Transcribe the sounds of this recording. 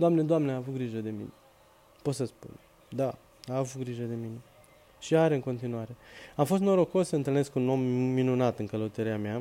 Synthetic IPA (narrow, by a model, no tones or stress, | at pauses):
d̪oamned̪oamneaːvut̪̚ɡɾiʒəd̪e̞mḭne | pot̪səspṵn | d̪a | aːvut̪̚ɡɾiʒəd̪e̞mine̞ | ʃiaɾe̞ɨŋko̞nt̪inuaɾe̞amfo̞st̪noɾo̞kosəɨnt̪ɨlneskuno̞mːinunat̪ɨŋkələut̪əɾiamea